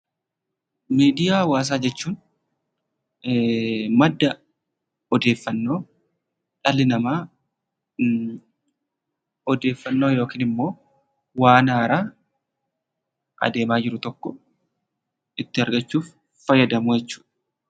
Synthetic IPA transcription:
miːd̪ɪjaːwaːs̬aːd͡ʒɛt͡ʃːuːn | mɐd̪ːɐ | ɔd̪e̞ːfːɐnːo̞ː | ᶑɐlɪnɐmaː | ɔd̪e̞ːfːɐnːo̞ːjo̞ːkiːnɪmːo̞ː | waːnaːɾaː | ʔɐ̰d̪e̞ːmaːd͡ʒɪɾʊt̪ɔkːɔ | ɪt̪ːɪɐɾɡɐt͡ʃːuːfː | ɐjːɐd̪ɐmʊjɛt͡ʃːu̥ːᶑɐ̥

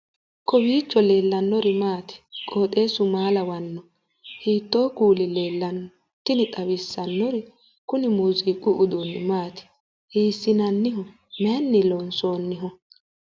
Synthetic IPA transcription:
kɔwiːt͡ʃːɔle̞ːlːɐnːɔɾɪmaːt̪ɪ̥kʼoːt̪ʼe̞ːsʊmaːlɐwɐnːɔ | hiːt̪ːo̞ːkuːlɪle̞ːlːɐn | t̪ːɪnɪt̪ʼɐwɪsːɐnːɔɾɪ | kʊnɪmuziːkʼʊʔʊd̪unːɪmaːt̪ɪ̥ | hiːsːɪnɐnːɪɦɔ | mɛɐnːɪlɔnsoːnːɪɦɔ

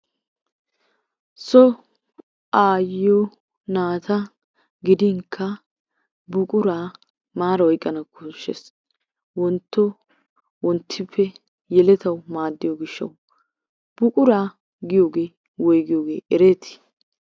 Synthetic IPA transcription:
sɔ | aːjo | naːt̪ʰɐ | ɡɪd̪ɪŋkʰːɐ | bʊkʼʊɾaː | maːɾɐɔjkʼːɐnɐkʰːʊʃːɛ̰s | wɔnt̪ːɔ | wɔnt̪ʰːɪpʰːɛ | jɛlɛt̪ʰɐwmaːd̪ːɪjɔɡɪʃːɐ̰w | b̥ʊkʼʊɾaː | ɡɪjoːɡe̞ː | wɔjɡɪjoːɡe̞ːʔɛɾeːt̪ʰɪ̥

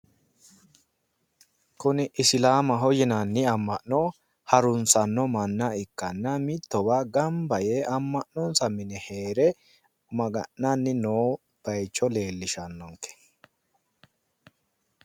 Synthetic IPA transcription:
kʊnɪʔɪsɪlaːmɐɦɔjɪnɐnːɪɐmːɐʔnɔ | hɐɾʊnsɐnːɔmɐnːɐɪkːɐnːɐmɪt̪ːɔbaːɡɐmbɐjeːɐmːɐʔnɔnsɐmɪnɛheːɾɛ | mɐɡɐ̰ʔnanːɪnoː | b̥ɐjt͡ʃːɔle̞ːlːɪʃɐnːɔŋkːɛ̥

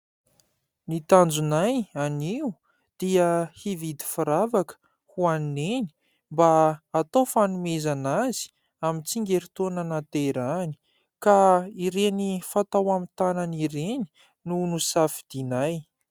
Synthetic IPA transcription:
nit̪and͡zunajaniu | d̪̥iəhivid̪i̥faɾavakə̥ | huanneni | mbaːt̪owfanumezanazi̥ | amint͡siŋɡʲeɾit̪onanat̪eɾani̥ | kaiɾenifat̪awamit̪ananiɾeni̥ | nunusafid̪̥inaj

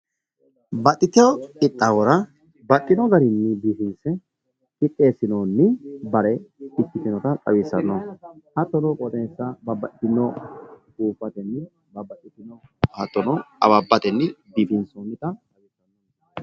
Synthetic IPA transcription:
bɐt̪ʼːɪt̪ɪjɔkʼɪt̪ʼːawɔɾɐ | bɐʔʼɪnɔɡɐɾɪnːɪbiːfɪnsɛ | ɪt̪ʼːeːsɪnoːnːɪbɐɾɛɪt̪ːɪt̪ɪnɔt̪ɐtʼɐ̰wiːsɐnːɔhɐt̪ːɔnɔkʼɔt̪ɛsːɐbɐbɐʔɪnːɔkuːfːɐt̪ɛnːɪ | bɐbɐtːɪt̪ɪnɔhɐ̰t̪ːɔnɔɐ̰babːɐt̪ɛnːɪbiːfɪnsonːɪt̪ɐt̪ʼɐwisɐnːɔ

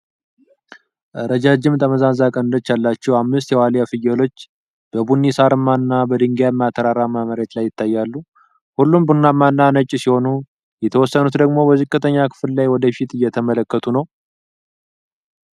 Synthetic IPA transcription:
ʔəɾəd͡ʒad͡ʒɪmt̪ʼəməzazakʼənɨnd̪ət͡ʃːalːat͡ʃːɛwamːɨst̪jɛwalijafɨjɛlo̞t͡ʃː | b̥əbunːisaɾɨmːaɨnːabəd̪ɨŋɡjamːat̪ʰːəɾaɾamaməɾet̪lajːɪt̪ʰːajːalːu | hulːumbunːamːanːanət͡ʃʼːsiho̞nu | jɛt̪ʰəwɔsːənut̪d̪əɡmo̞bəzɨkʼːɨt̪ʰəɲːakʰɨ̥fllajwɔd̪əfit̪ʰɨjːɛt̪ʰəmələkːət̪ʰunəw

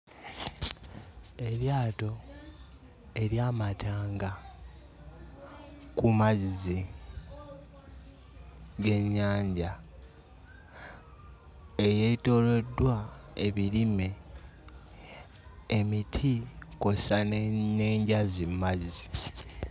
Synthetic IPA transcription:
e̞ɾjaːto̞ | e̞ɾjaːmataːŋɡa | kumazizi | ɡe̞ɲːaːɲɟa | ejeto̞le̞dːwaeβilime̞ | emitʰiko̞saneːɲɟazimmazizi

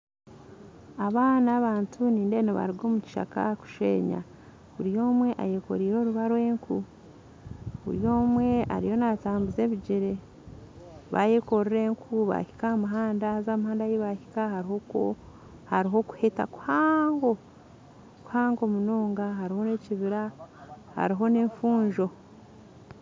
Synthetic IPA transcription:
aβaːnaβaːntʰuniːnde̞noβa̰ɾiɡo̞ːmuci̥ʃa̰ka̰ku̥ʃḛːɲa̰ | βuɾijo̞ːmwe̞ʔa̰jeko̞̰ɾiːɾo̞ːɾuβaɾwe̞ːŋkʰu | βṵɾjo̞ːmwe̞a̰ɾḭjo̞nataːmbuze̞ːβiɟiɾe | βa̰jeko̞ɾiɾe̞ːŋkʰuβa̰hi̥kahamuɦaːndaazaːmhaːndajiβahikahaɾihok | haɾiɦo̞ku̥heta̰ku̥haːŋɡo̞ | ku̥haːŋɡo̞muno̞ːŋɡaɦaɾiho̞ne̞ciβiɾa | ha̰ɾiɦo̞ne̞ːɱfuːɲʒo̞

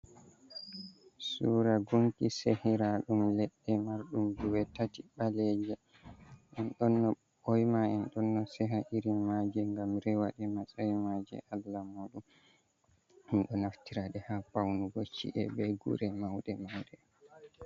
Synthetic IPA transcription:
suːɾaɡuŋkisehiɾaɗumlɛɗːɛmaɾɗumduwɛtatiɓalɛd͡ʒɛ | ʔɛnɗɔnːɔ | bɔjmaɛnɗɔnːɔsɛɦaʔiɾimad͡ʒɛŋɡamɾɛwaɗɛmasajmad͡ʒɛ̰ʔalːamoːɗum | ɛnɗɔnaftiɾaɗɛhapawnuɡot͡ʃːḭʔɛbɛɡṵɾɛmawɗɛmawɗɛ

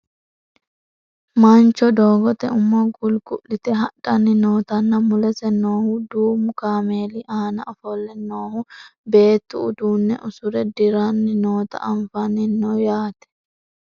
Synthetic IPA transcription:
mant͡ʃːɔd̪oːɡɔt̪ɛʊmːɔɡʊlɡʊʔːɪt̪ɛɦɐᶑɐnːɪnoːt̪ɐnːɐmʊlɛsɛnoːhʊd̪uːmʊkaːmeːlɪʔaːnɐ̰ɔfɔlːɛnːoːhʊbe̞ːt̪ːʊʊd̪uːnːɛ̰ʔʊsʊɾɛd̪ɪɾanːɪnoːt̪ɐ̰ʔɐɱfɐnːɪnːɔjaːt̪ɛ̥

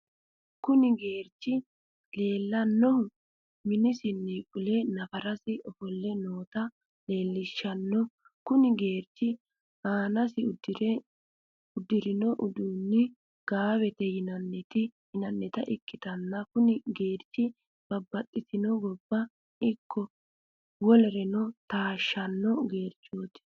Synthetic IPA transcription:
kʊnɪɡeːɾt͡ʃːɪ | le̞ːlːɐnːɔhʊ | mɪnɪsɪnːikʼʊlɛnɐfɐɾɐsɪɔfɔlːɛnoːt̪ɐ | le̞ːlːɪʃːɐnːɔ | kʊnɪɡe̞ːɾt͡ʃːɪ | aːnɐsɪd̪ɾ | ʊd̪ɪɾɪnɔʔʊd̪uːnːɪ | ɡ̥aːbɛt̪ɛjɪnɐnːɛt̪ɪjɪnɐnːɛt̪ɐ̰ʔɪkːɪt̪ɐnːɐkʊnɪɡeːɾt͡ʃːɪ | b̥ɐbːɐt̪ʼːɪt̪ɪnɔɡɔbːɐ | ɪkʰːɔ | wɔlɛɾɛnɔt̪aːʃːɐnːɔɡeːɾt͡ʃːoːt̪ɪ̥

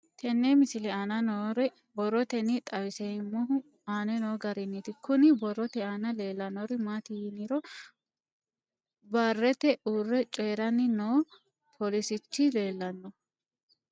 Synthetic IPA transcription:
t̪ʰɛnːemɪsɪlɛanɐnɔɾɛ | bɔrːɔt̪ɛnit̪ʼɐwɪsɛmːʊɦʊ | aːnɛnoːɡɐɾɪnːit̪ɪkːʊnɪbɔrɔt̪ɛanɐle̞ːlːɐnɔɾɪmat̪ɪjɪnɪɾɔ | baːrːɛt̪ɛʔuːrːɛt͡ʃʼeːɾɐnːɪnoː | pʰɔlɪsɪt͡ʃːɪle̞ːlːɐnːɔ

